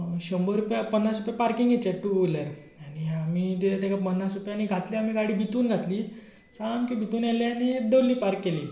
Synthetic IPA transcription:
ɕəmbəɾupjapənːasɾupjapaɾkiŋɡet͡ɕɛʈːulaɾ | añiamit̪eat̪akapənːasɾupjaniɡʱat̪liam̤iɡaɽiːbʱit̪uːnɡʱat̪liː | sankibʱit̪uːnjalanid̪əlːiːpaɾkːeliː

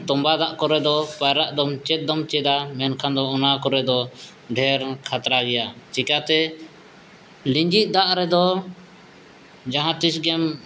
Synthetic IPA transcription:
t̪ɔmbad̪aʔkɔɾɛd̪ɔpaɾaʔd̪ɔmt͡ʃɛt̪̚d̪ɔmt͡ʃɛd̪amɛnkʰand̪ɔɔnakɔɾɛd̪ɔ | ɖʱɛɾkʰat̪ɾaɡɛjat͡ʃikat̪ɛ | liɲd͡ʒit̪̚ˀd̪aʔɾɛd̪ɔ | d͡ʒaɦãt̪isɡɛm

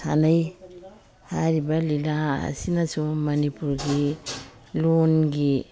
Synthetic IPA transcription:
sa̰naj | haɾibalilaa̰sinasomanipuɾɡi | lonɡi

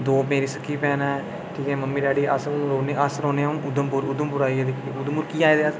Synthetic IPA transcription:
d̪oːpeːɾiːsəkʰːiːpɛːnɛː | ʈʰiːkɛ̃ːməmːiːɖaːɽiːʔə̰sũɾoːneːʔəsɾoːneːaũʔʊd̪əmpʊɾʊd̪əmpʊɾaːiːɛːd̪ekʰːiʊd̪mʊɾkiːaːeːd̪eaː

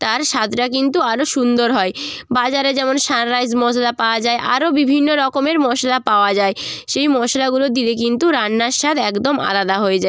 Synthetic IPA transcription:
t̪aɾʃad̪ɾak̬int̪uaɾoʃund̪oɾɦɔebad͡ʑaɾed͡ʑɛmonʃanɾajd͡ʑmɔslapaoad͡ʑaeʔa̰ɾobibʱinːoɾɔkomeɾmɔʃlapaoad͡ʑae | ʃejmɔʃalaɡulod̪iɾek̬int̪uɾanːaɾʃad̪ɛkd̪oma̰lad̪aɦoed͡ʑae

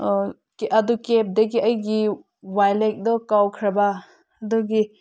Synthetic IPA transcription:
keʔɐd̪ukep̚d̪eɡiɐjɡi | wajlek̚d̪ɔkawkʰɾaba | ɐd̪ɔɡi

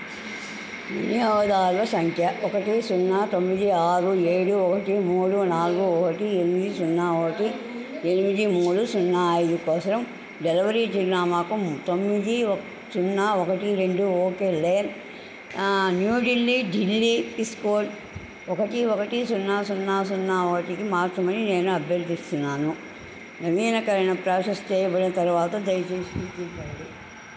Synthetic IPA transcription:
ʋḭnijaːʋɐd̪aːɾʋɐsɐŋkʰjɐɔkɐʈisunːaːt̪omːid̪iaːɾueːɽuɔkɐʈimuːɽunaːluɡuɔkɐʈienmid̪isunːaːɔkɐʈi | enimid̪imuːɽusunːaːjd̪ukɔːsɐɾɐm | ɖelɐʋɐɾid͡ʒ̪iɡnaːmaːkut̪omːid̪i | sunːaːɔkɐʈiɾe̞ɳɖuoːkeːlen | njuːɖilːiɖilːiiskoːl | ɔkɐʈiɔkɐʈisunːaːsunːaːsunːaːɔkɐʈikimaːɾt͡ʃɾɐmɐnine̞ːnuɐbʱjɐɾd̪ist̪unːaːnu | nɐʋiːnɐkɐɾɐnɐpɾaːʂɐst͡ʃɛːjɐbɐɽɐnɐt̪ɐɾuʋaːt̪ɐd̪ɐjɐt͡ʃeːst̪ut̪iɾpɐnli

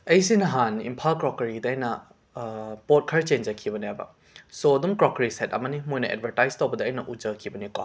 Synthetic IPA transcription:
ɐjsinɐɦanḭmpʰalkɾɔkɐɾidɐːjnɐ | pot̚kʰɐɾt͡ʃend͡ʒɐkʰibɐnabɐ̰ | sodumkɾɔkɐɾisetɐ̰mɐnimojnɐʔḛt̚bʱɐɾtajztowbɐdɐːjnɐʔud͡ʒɐkʰibɐnika̰

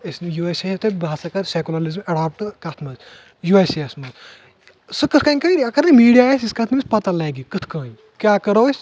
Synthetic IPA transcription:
ɐsnjuːeseɐft̪ʰebʱaːsɐkɐɾsekulɐlizmɐɖaːp̚ʈkɐt̪ʰmɐz | jueseɐsmɐz | sɨkɨt̪ʰkɐːnʲkɐiɾiɐkɐɾnɐmiːɖijaːesiskɐt̪ʰnɨmɨsʲpɐt̪ɐlɐːɡikɨt̪ʰkaːn | kʲjaːkɐɾoːsʲ

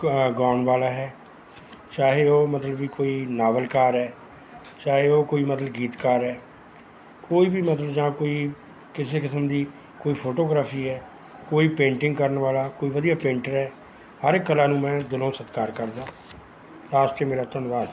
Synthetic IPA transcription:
ɡaːnʋaːlaːɦɛː | t͡ʃaːɦeoːmət̪ləbʋiːkoːiːnaːʋəlkaːɾɦɛː | t͡ʃaːɦeoːkoːiːmət̪ləbɡiːt̪kaɾɦɛː | koːiːbiːmət̪ləbd͡ʒãːkoːiː | kɪseːkɪsəmd̪iː | koːiːpʰoːʈoːɡɾaːpʰiːɦɛː | koːiːpẽːɳʈɪ̃ŋɡkəɾənʋaːlaːkoːiːʋəd̪ijaːpẽːɳʈəɾɛː | həɾkːəlãːnũːmɛ̃ːd̪ɪnõːsət̪kaːɾkəɾd̪ãː | ɾaːst͡ʃeːmeːɾaːt̪ənʋaːd̪

